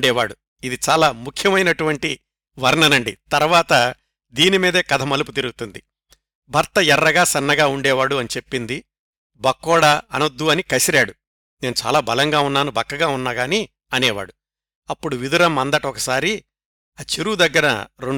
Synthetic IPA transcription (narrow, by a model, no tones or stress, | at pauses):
ɖɛːʋaːɽu | id̪it͡ʃaːlaːmukʰjɐmɐjnɐʈuʋɐɳʈi | ʋɐɾɳɐnɐɳɖit̪ɐɾʋaːt̪ɐ | d̪iːnimiːd̪eːkɐd̪ʱɐmɐluput̪iɾuɡut̪und̪i | bʱɐɾt̪ɐɛrːɐɡaːsɐnːɐɡaːuɳɖɛːʋaːɽuɐnit͡ʃe̞pːind̪i | bɐkːɔːɽaɐnɐd̪uɐnikɐsiɾaːɽu | ne̞ːnut͡ʃa̰ːlaːbʱɐlɐŋɡaːunːaːnubʱɐkːɐɡaːunːaɡaːni | ɐnɛːʋa̰ːɽu | ɐpːuɽuʋid̪uɾɐmːɐnd̪ɐʈɐɔkɐsaːɾi | ɐt͡ʃiɾuːd̪ɐɡːɐɾɐ̰ɾoɳ